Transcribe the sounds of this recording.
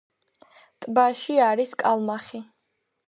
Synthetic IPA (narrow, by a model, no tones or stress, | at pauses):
t̪ʼbaʃiaɾiskʼalˠmaχi